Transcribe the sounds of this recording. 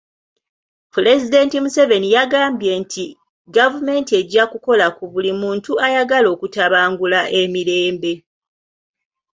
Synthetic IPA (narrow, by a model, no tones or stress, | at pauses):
pule̞zide̞ntimuse̞ve̞nijaɡaːmbje̞ntʰi | ɡavume̞ːntie̞ɟakuko̞lakuβulimuːntuajaɡalo̞ːkutaβaːŋɡulaʔe̞miɾe̞ːmbe̞